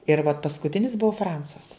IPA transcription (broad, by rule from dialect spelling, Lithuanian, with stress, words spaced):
ɪr ʋɐt pɐskʊˈtʲɪnʲɪs ˈbʊʋoː ˈfrɐnsɐs